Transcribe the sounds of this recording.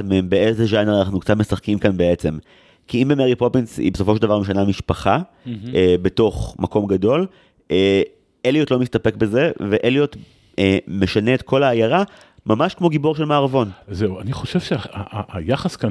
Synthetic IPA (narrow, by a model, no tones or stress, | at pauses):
meembeezeʒaneʁanaχnukt͡satmesaχkimkanbe̞et͡sem | kiimbemeʁipo̞pinsḭbesofoʃeldavaʁmiʃ̬anamiʃpaχa | ebe̞to̞χmako̞mɡado̞l | e | elijotlomist̪ape̞kbe̞ze̞ve̞ʔeliot | emeʃaneːtkʰo̞laːjaʁa | mamaʃkmo̞ɡibo̞ʁʃe̞lmaːʁavo̞nzeuaniχo̞ʃevʃeaaaajaχaska